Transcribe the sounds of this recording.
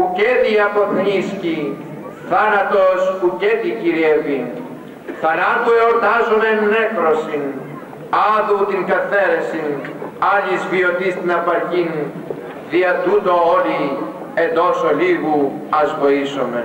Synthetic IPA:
uceðiɐpovnisci | θɐnɐt̪ospuceðiciɾievin | θɐnɐt̪ueoɾt̪ɐzomemnekɾosin | ɐðut̪iŋkɐθe̞ɾesinɐʎizvio̞t̪ist̪inɐpɐɾcin | ðiɐt̪ut̪o̞oli | e̞nd̪o̞soliɣuɐzvo̞isome

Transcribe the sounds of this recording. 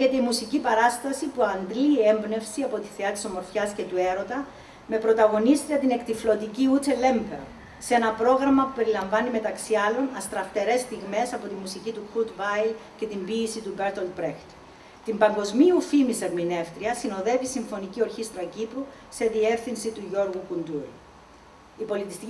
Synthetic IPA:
çet̪eimusicipɐɾɐst̪ɐsipuɐnd̪lie̞mbne̞fsiɐpo̞t̪iθeɐt̪i̥so̞mo̞ɾfçɐsce̞t̪ue̞ɾo̞t̪ɐ | me̞pɾo̞t̪ɐɣo̞nist̪ɾiɐt̪ine̞kt̪iflo̞t̪iciut̪ele̞mpeɾ | se̞nɐpɾo̞ɣɾɐmɐpupe̞ɾilɐɱvɐnime̞t̪ɐksiɐlo̞nɐst̪ɾɐft̪e̞ɾe̞st̪iɣme̞sɐpo̞t̪imːusicit̪uxut̪vɐjlce̞t̪imbiːsit̪ubeɾt̪old̪bɾext̪ | t̪imbɐŋɡo̞zmiufimiseɾmine̞ft̪ɾiɐsinoðe̞visiɱfo̞nicio̞ɾçist̪ɾɐcipɾu | se̞ðie̞fθinsit̪uʝo̞ɾɣukund̪uɾ | ipo̞lit̪ist̪ic

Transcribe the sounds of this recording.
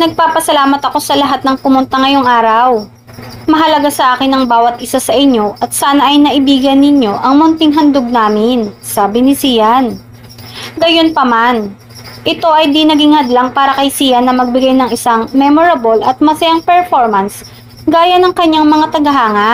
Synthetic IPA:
nɐɡ̚paːpɐsɐlaːmɐt̪ɐko̞sɐlɐɦat̪̚nɐŋpʊmʊnt̪ɐŋɐjo̞ŋʔaːɾɐw | mɐɦɐlɐɡasɐʔaːkɪnɐŋbaːwɐt̪̚ʔɪsasɐʔɪɲːo̞ʔɐt̪̚saːnɐʔɐjnɐʔɪbiːɡɐnːɪɲo̞ʔɐŋmʊnt̪ɪŋɦɐnd̪oɡ̚naːmɪnsaːbɪnɪsiːjɐn | ɡɐjo̞npɐman | ʔɪt̪o̞ʔɐjd̪inɐɡiŋhɐd̪laŋpaːɾɐkɐjsijɐnːɐmɐɡ̚bɪɡajnɐŋɪsaŋmɛmoɾɐbolʔɐt̪̚mɐsɐjaŋpɛɹfo̞ɹmɐns | ɡaːjɐnɐŋkɐɲːaŋmɐŋat̪ɐɡɐɦaːŋɐ

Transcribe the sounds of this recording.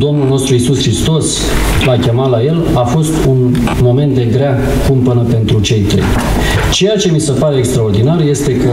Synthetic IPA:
d̪o̞mnulno̞st̪ɾuisuskɾist̪o̞s | lakʲe̞mat̪laje̞l | afo̞st̪un | mo̞me̞nt̪̚d̪e̞ɡɾea | kumpənəpe̞nt̪ɾut͡ʃe̞jt̪ɾḛj | t͡ʃe̞jat͡ʃe̞mise̞paɾe̞ːkst̪ɾaord̪inarje̞st̪e̞kə

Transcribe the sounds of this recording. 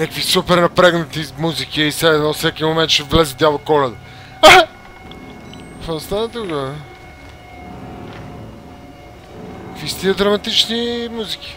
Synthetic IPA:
nakvisupɛɾnɐpɾɛɡnɐt̪imuzik̟iisɛɛnɔsɛkimomɛnt̪ʃɛvlɛzɛd̪ʲalˠokɔlɛd̪ə | a | ast̪anət̪uka | kvist̪iəd̪ɾɐmɐt̪it͡ʃnimuzikʲi̥

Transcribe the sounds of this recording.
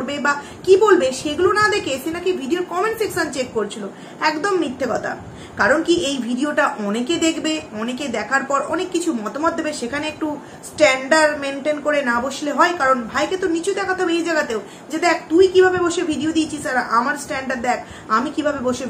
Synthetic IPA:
ɾbeba | kibolbeʃeɡulonad̪ekʰeʃenakibʱiɖioɾkɔmenfiksant͡ɕekːoɾt͡ɕʰilo | ɛkd̪omːit̪ʰːekɔt̪ʰa̰ | kaɾonkiʔejbʱiɖioʈaʔɔneked̪ekʰbeɔneked̪ɛkʰaɾpɔɾɔnekːit͡ɕʰumɔt̪omɔt̪̚d̪ebeʃekʰaneek̚ʈu | sʈɛɳɖaɾmenʈenkoɾenaboʃleɦɔekaɾonbʱajket̪onit͡ɕud̪ɛkʰat̪ɔbeejd͡ʑajɡat̪eo | d͡ʑed̪ɛk̚ʰt̪ujkibʱabeboʃebʱiɖiod̪it͡ɕʰisaɾaʔamaɾsʈɛɳɖaɾd̪ɛkʰ | amikibʱabeboʃe

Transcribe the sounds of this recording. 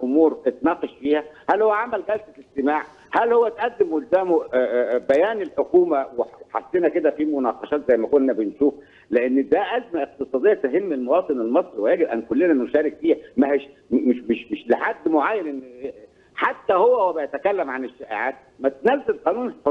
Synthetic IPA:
ʔomuːɾet̪nɑːqeʃfiːhæhælhowːæʕamælɡælsæeɡt̪emaːʕ | hælhowːæt̪ʔæd̪ːemwolzæːmobæjæːnelħoquːmæweħa̰sːenæked̪æfimonɑqɑʃɑːt̪zæjːmækonːæbenʃuːf | leʔenːd̪æʔæzmæʔeq̚t̪ɨsˤɑːd̪ejːæt̪eɦemːelmowɑːt̪ˤɨnelmɑsˤɾiwejæːɡebʔænkolːenænoʃæːɾekfiːhæmæheʃ | mmeʃmɪʃmeʃleħad̪ːmoʕaːjːænʔenː | ħat̪ːæhowːæwæbejæt̪ækælːæmʕaneʃːæʔḛʕaːt̪̚mæt̪næfzælqɑːnuːn

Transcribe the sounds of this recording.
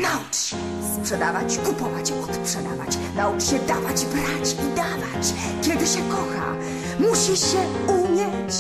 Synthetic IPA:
naut͡ʂɕɛ | spʂɛd̪avat͡ɕkupɔvat͡ɕɔt̪spʂɛd̪ava̰t͡ɕ | nauʈ͡ʂɕɛd̪avad͡ʑbɾat͡ɕid̪avat͡ɕ | kʲɛd̪ɘɕɛkɔxa̰ | muɕiɕɛ | umʲjɛ | t͡ɕ

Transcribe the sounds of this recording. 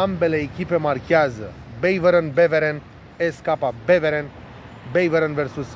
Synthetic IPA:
ambe̞leːkʲipe̞markʲazə | bejvəɾənbeveɾen | eskapabeveɾen | bejvəɾənveɾsus

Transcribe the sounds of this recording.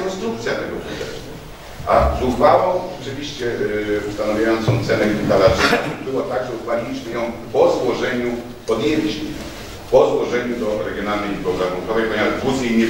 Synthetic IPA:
kɔnst̪ɾuk̚t̪sʲjat̪ɛɡɔ̰pṵt̪ɛ̰st̪u | ʔazuvawɔ̃wɔt͡ʂɘvʲiɕt͡ɕɛust̪anavʲjajɔnt̪sɔ̃w̃t̪sɛnɛɡʲit̪alazbɘwɔt̪aɡʐɛuɡvalʲilʲiɕmɘjɔ̃w̃ | pɔzwɔʐɛɲu | ɔd̪ɲɛvt͡ɕi | pɔzwɔʐɛɲud̪ɔɾɛɡʲjɔnalnɛjibɔwzaɡɾunk̪ɔvɛjpɔɲemaʐbuzʲejɲɛ

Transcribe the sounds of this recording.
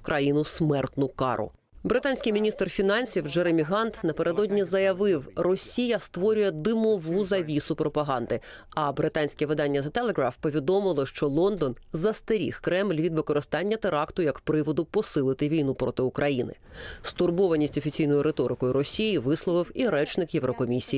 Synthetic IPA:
kɾʔɐjinʊsmɛrt̪nʊkɑ̰ɾʊ̰ | bɾɪt̪ɑnʲsʲkɪjmʲinʲist̪rfʲinɑnʲsʲiwd͡ʒeɾemʲiɦɑnt̪nɐpeɾe̞d̪ɔdʲnʲizɐjɐʋɪwrɔsʲijɐst̪ʋɔɾʲʊjɛd̪ɪmɔʋuzɐʋʲisʊpɾɔpɐɦɑnd̪ɪɐbɾɪt̪ɑnʲsʲkʲɛʋɪd̪ɑnʲːɐzɐt̪elˠeɣɾafpɔʋʲid̪ɔmɪlˠɔʃt͡ʃɔlˠɔnd̪ɔnzɐst̪eɾʲḭxkɾɛmlʲʋʲid̪ʋɪkɔɾɪst̪ɑnʲːɐt̪eɾɑkt̪ʊjɐkpɾɪʋɔd̪ʊpɔsɪlˠɪt̪ɪʋʲijnupɾɔt̪ɪʊkɾɐjinɪ̰st̪ʊrbɔʋɐnʲisʲtʲɔfʲit͡sʲijnɔjʊɾet̪ɔɾɪkɔjʊɾɔsʲijiʋɪslˠɔʋɪwiɾɛt͡ʃnɪkjeʋɾɔkɔmʲisʲiji

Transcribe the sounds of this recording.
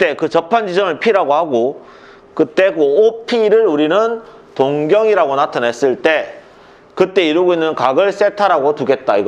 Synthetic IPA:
t͈e̞kɯt͡ɕʌpʰand͡ʑid͡ʑʌmɯɭpʰiɾaɡohaɡo | kɯt͈e̞koopʰiɾɯɾuɾinɯn | toŋɡjʌŋiɾaɡonatʰanɦe̞s͈ɯɭt͈e̞ | kɯt͈e̞iɾɯɡoinːɯnkaɡɯɭs͈e̞tʰaɾaɡotuɡe̞t̚t͈aiɡʌ

